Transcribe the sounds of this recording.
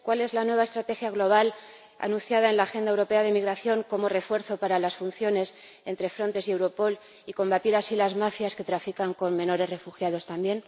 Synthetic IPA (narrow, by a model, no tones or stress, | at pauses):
kwale̞zlanwe̞βaest̪ɾat̪e̞xjaɣlo̞β̞al | a̰nũnθjað̞ae̞nlaːxe̞nd̪ae̞wɾo̞pe̞að̞emiɣɾaθjo̞ŋko̞mo̞re̞fwe̞ɾθo̞paɾalasfun̟θjo̞ne̞s | e̞nt̪ɾe̞fɾo̞nt̪e̞sie̞wɾo̞po̞l | iko̞mbat̪iɾasilazmafjaske̞t̪ɾafikaŋko̞nmẽ̞no̞ɾe̞zre̞fuxjað̞o̞st̪ambje̞n